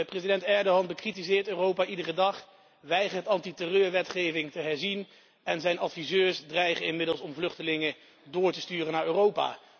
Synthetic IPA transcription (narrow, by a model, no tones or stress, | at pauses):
əprejzidɛntɛɹdoɦɑnbəkritizɪːɹtøːrowpaːʔidərədɑχ | ʋɛjχəɹtɑntitərøːɹʋɛtχejvɪŋtəɦɛɹzin | ɛnzɛjnɑtfizøːɹsdrɛjχənɪnmɪdəlˠsɔmvlɵχtəlɪŋə | dʊːɹtəstyːrənaːɹøːrowpa̰ː